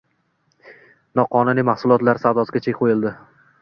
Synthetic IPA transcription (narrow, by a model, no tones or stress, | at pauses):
nɒqʰɒnʊnɪmahsʊlˠɒt̪laɾsad̪ɒzɡʲat͡ʃʰekʲqʰojɪlˠd̪ɪ